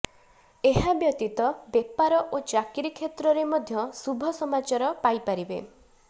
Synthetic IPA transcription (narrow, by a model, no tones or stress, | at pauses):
eɦabjɔt̪it̪ɔbjepaɾɔʔod͡ʒakiɾikʰːet̪ɾɔɾemɔd̪ʱjɔsubʱɔsɔmat͡ʃaɾɔpajpaɾibḛ